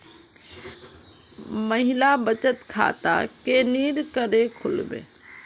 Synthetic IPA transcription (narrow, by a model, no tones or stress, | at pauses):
məɦilabət͡ʃət̪kʰa̰t̪a̰keniɾkəɾekʰʊlbḛ̃ː